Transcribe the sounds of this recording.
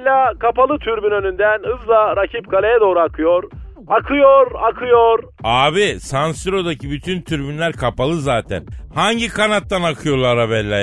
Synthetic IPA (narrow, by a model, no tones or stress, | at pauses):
lʲːakʰapalˠɯt̪ʰyɾbynø̞nynd̪ænɯzlˠaɾacʰip̚kʰalʲejɛd̪o̞ːɾuakʰɯjoɾ | akʰɯjoɾakʰɯjoɾ | aːbisansiɾo̞d̪acʰibyt̪ʰynt̪ʰyɾbynlʲæɾkʰapalˠɯzaːt̪ʰæ̰nhaɲɟikʰanat̪ːanakʰɯjo̞lˠaɾaβɛlʲːa